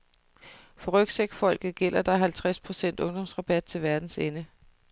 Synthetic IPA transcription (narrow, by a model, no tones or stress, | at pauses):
fɒ̽ʁœɡ̥seɡ̥fɒ̽l̰ɡ̥ð̩ˠɡ̥el̰ɐd̥ɑ̈ɦælt͡sʰʁaspʰʁo̝sen̰d̥ɔ̽ŋd̥ɒ̽msʁɑ̈b̥æd̥̚t͡sʰe̝lʋæɐd̥n̩senə